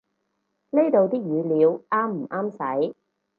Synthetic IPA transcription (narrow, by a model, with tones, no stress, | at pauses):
le˥jt̪o˨˧wt̪iː˥k̚jyː˨˧liː˨˧wʔaː˥mm̩˨˩ʔaː˥msɐ˨˥j